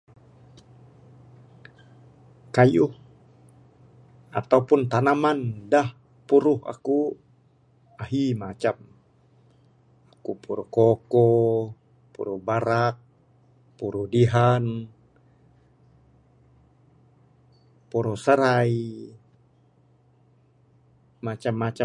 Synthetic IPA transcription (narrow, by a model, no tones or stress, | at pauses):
kajuh | at̪aupʊnt̪anamandah | puɾʊha̰ku | aɦimat͡ʃam | akupuɾuhkokɔ | pṵɾuhbaɾak̚ | puɾuhdiɦan | puɾʊhsəɾai | mat͡ʃamːat͡ʃa